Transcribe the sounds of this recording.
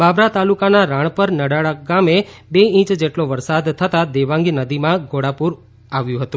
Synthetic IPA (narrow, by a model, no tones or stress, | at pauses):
babɾat̪alukanaɾãɳ̃pəɾnəɽaɽaɡamebeĩt͡ʃd͡ʒeʈloʋəɾsad̪t̪ʰət̪ad̪eʋãŋɡinəd̪imãɡʱoɽapuɾ | aʋjũɦət̪ũ